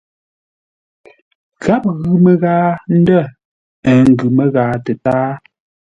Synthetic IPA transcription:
ɣa˦p̚ɣʉ˨mə˨ɣaː˦n̩˦də˦˨ | ə˨ŋ̩˦˨ɡʉ˨mə˨ɣaː˨˦tə˨taː˦

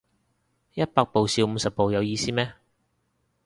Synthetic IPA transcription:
jɐ˥t̚paː˧k̚po˨wsiː˧wm̩ː˨˧sɐ˨p̚po˨wjɐ˨˧wjiː˧siː˥mɛː˥

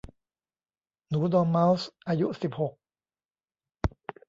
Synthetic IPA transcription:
nuː˩˦d̪ɔː˧nma˦˥wsʔaː˧ju˦˥si˨˩p̚ho˨˩k̚

